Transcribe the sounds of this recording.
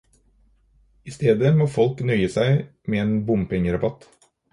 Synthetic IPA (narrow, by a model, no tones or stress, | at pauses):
ɪst̪eːd̪əmoːfɔlknœʏəsæɪmeːeːnbʊmpʰɛŋəɾɑbɑt̪